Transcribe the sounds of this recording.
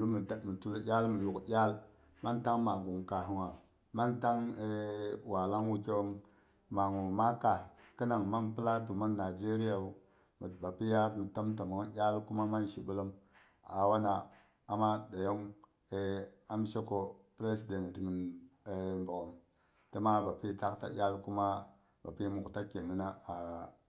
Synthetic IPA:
lu˦mi˨mi˨tu˦ljʲa˦lmi˨lu˨kjʲa˦l | ma˦nta˦ŋma˨ɡu˨ŋ˨ka˨ɦi˨ŋa˨ | ma˦nta˦ŋe˦wa˨la˦ŋwu˦ke˦wm | ma˨ŋu˨ma˦ka˨ki˦na˨ŋma˦npi˦la˦tu˨ma˦nːa˨d͡ʒe˦ɾi˦ja˨u˦ | mi˨tba˨pi˦ja˦ɾmi˨ta˦mta˨ma˨ŋ˦jʲa˦lku˦ma˦ma˦nʃi˨bu˦lə˦m | a̰˨wa˦na˨ | a˨ma˦da˨jo˦ŋ | e˨a˦m˦ʃe˦ko˨pɾe˦si˨de˨n˨tmi˨ne˨mbo˨ɡo˨m | tə˦ma˦ba˨pi˦ta˦kta̰˨jʲa˦lku˦ma˦ | ba˨pi˦mu˨ku˨ta˦ke˨mi˦na˦a˨

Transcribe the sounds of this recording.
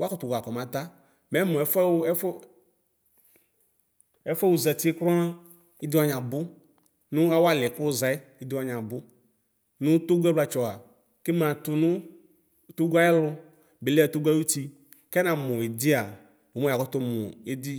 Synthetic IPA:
wa˦kɔ˦tʊ˨ɡʷa˨kɔ˨mã˨ta˦ | mɛ˨˦mʊ̃˨ɛ˨˦fɛ˦f | ɛ˨˦fɛ˦wu˨zɛ˨tɪ˦kɾɔ˦a˦ | ɪ˦dɪ˦wa˦ɲa˨bʊ˦ | nʊ˦a˦wa˦lɛ˨kʊ˦za˨ɪ˦ɪ˦dɪ˦wa˨˦ɲã˨bʊ˦ | nʊ̃˦to˦ɡʷu˦ɛ˦bla˨t͡ʃɔ˨a˨ | ke˦mã˨tʊ˨nʊ˦˨ | to˦ɡʷa˦ɛ˦lʊ˧ | bɪ˨lɛ˦ɛ˨to˦ɡa˦u˦ti˧ | kɛ˦na˨mʊ˨ɪ˨di˦a˨ | o˨mɔ˦a˨kɔ˦tʊ˦mʊ̰˨e˦di˦

